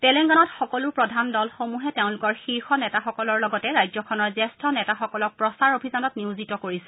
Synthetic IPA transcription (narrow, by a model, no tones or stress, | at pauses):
tɛlɛŋɡɔnatxɔkɔlʊɹpɹɔdʱandɔlxomuɦɛteʊ̃lʊkɔɹxiɹxɔnɛtaxɔkɔlɔɹlɔɡɔtɛɹajzɔkʰɔnɔɹzɛstʰɔnɛtaxɔkɔlɔk̚pɹɔsaɹobʱizanɔtniuzitɔkoɹisɛ̥